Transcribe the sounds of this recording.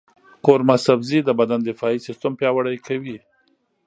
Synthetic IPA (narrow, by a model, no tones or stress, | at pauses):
koɾmasabzid̪əbad̪and̪ɪfɑisɪst̪ampjɑwaɽajkʰawi